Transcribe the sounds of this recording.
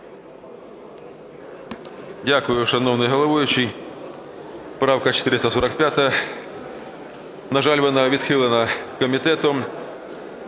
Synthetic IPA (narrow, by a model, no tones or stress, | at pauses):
dʲakʊjʊʂɐnovnɨjɦɐlˠɐvojʊt͡ɕːɪj | pɾawkɐt͡ɕɪt̪ɪɾʲɪst̪əsoɾɐk̚pʲat̪əjə | nɐʐalʲvənəʋʲɪt̪xɨlˠənɐkəmʲɪt̪ɛt̪ʊ